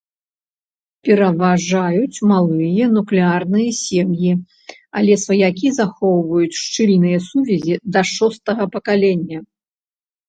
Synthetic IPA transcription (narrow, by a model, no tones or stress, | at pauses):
pʲɛɾɐvaʐajut͡sʲmalˠɨjɐnuklʲɛarnɨjɐsʲɛmji | a̰lʲɛsvɐjakʲizaxɔwvɐjut͡sʲʂt͡ʂɨlʲnɨjɐsuvʲɛzʲid̪ɐʂɔst̪ɐɣɐpɐkalʲɛnʲːɐ